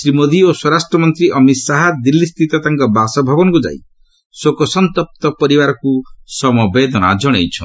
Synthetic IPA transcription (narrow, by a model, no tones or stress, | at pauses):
sɾimod̪ioswɔɾasʈɾɔmɔnt̪ɾiʔɔmisaɦad̪ilːist̪ʰit̪ɔt̪aŋkɔbasɔbʱabɔnɔkud͡ʒa̰j̰ | sokɔsɔnt̪ɔp̚t̪ɔpɔɾibaɾɔkusɔmɔbed̪ʱɔna̰d͡ʒɔɽ̃ḛjt͡ʃʰɔ